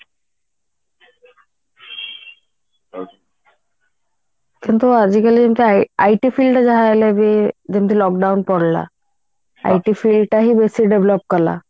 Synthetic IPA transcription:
kint̪uad͡ʑikaled͡ʑemt̪ʰiaajʈifilɖʈad͡ʑaɦaelebed͡ʑemt̪ʰilɔk̚ɖawnpɔɽla̰ | a̰jʈifilɖʈaɦibesiɖeblɔp̚kɔɾla̰

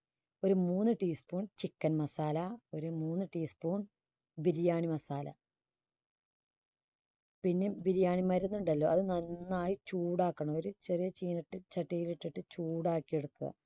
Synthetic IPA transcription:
o̞ɾumuːnːɨʈiːspuːɳt͡ɕikːɐnmɐsaːlɐo̞ɾumuːnːɨʈiːspuːɳ | biɾijaːɳimɐsaːlɐ̰ | pinːe̞biɾijaːɳimɐɾunːuɳɖɐlːo̞ːɐðɨnɐnːaːjit͡ɕuːɽaːkːɐɳɐoɾut͡ɕerijɐt͡ɕiːnɐʈːɨt͡ɕɐʈːijileʈːiʈːɨt͡ɕuːɽaːkːijeɽukːuɣɐ̰

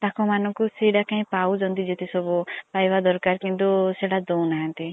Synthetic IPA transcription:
t̪akɔ̃manɔ̃kuseɽakãɦĩpaud͡ʒɔ̃nt̪id͡ʒet̪esɔbɔpajʋad̪ɔɾkaɾkĩnd̪oseɽad͡ʒɔwnaɦãnt̪i

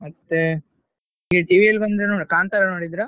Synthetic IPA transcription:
mɐt̪ːe | iɡeʈiːʋiɐlbɐnd̪ɾenoːkaːnt̪aɾɐnoːɽid̪ɾa

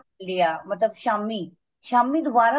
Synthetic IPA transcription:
ld̪ijamət̪ləbɕami | ʃamid̪ʱʋaɾa

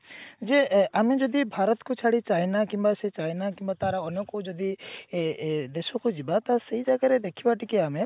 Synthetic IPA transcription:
d͡ʒeamed͡ʒɔd̪ibʱaɾɔt̪kot͡ʃʰaɽit͡ʃaɦinakĩmbaset͡ʃaɦjnakimbat̪aɾaɔnɔkod͡ʒɔd̪i | d̪esɔkod͡ʒibat̪aseɦid͡ʒaɡaɾed̪ekʰibaʈikiame

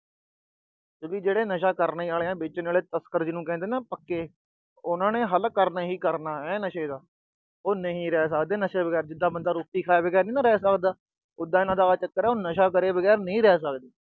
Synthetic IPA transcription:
t̪õːkiːd͡ʒeːɽeːnəʃaːkəɾneːaːleːãːbeːt͡ʃənaːleːt̪əskəɾd͡ʒɪnũːkɛ̃nd̪eːnãːpəkːeː | ʊnãːnẽːɦəlkəɾnaːɦiːkəɾnaːɛːnəʃeːd̪aː | oːnəɦĩːɾɛːs̬əkd̪eːnəʃeːbəɡɛːɾd͡ʒɪd̪ːaːbənd̪aːɾʊːkt̪iːkʰaːjaːbəɡɛːɾnĩːnãːɾɛːsəkd̪aː | ʊd̪aːɪnãːd̪aːat͡ʃəkːəɾɛːoːnəʃaːkəɾeːbəɡɛːɾnəĩːɾɛːsəkd̪eː

